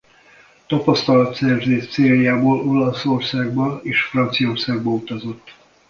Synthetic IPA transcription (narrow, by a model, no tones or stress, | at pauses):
t̪ɒpɒst̪ɒlɒt̪sɛrvzeːʃt̪seːljaːboːlo̞lɒso̞rsaːɡbɒeːʃfrɒnt̪sijɒorsaːɡ̚bɒut̪ɒzo̞t̪ː